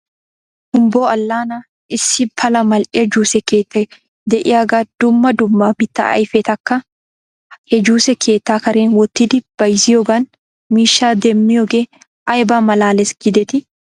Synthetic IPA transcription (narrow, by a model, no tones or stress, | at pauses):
hʊmboːɐlːaːna | ɪsːɪpʰɐlɐmɐlʔɛd͡ʒuːsɛkeːt̪ːɐ | d̪ɛʔɪjaːɡɐd̪̥ʊmːɐd̪ʊmːab̥ɪt̪ːɐ̰ʔɐ̰jfɛt̪ɐkːɐ | hɛd͡ʒuːsɛkʰe̞ːt̪ːaːkɐɾeːnwɔt̪ːɪd̪ɪb̥ɐjsɪjɔɡɐn | miːʃːaːd̪ɛmːɪjɔɡe | ʔɐjbaːmɐlaːlɛsɡɪd̪ɛt̪ɪ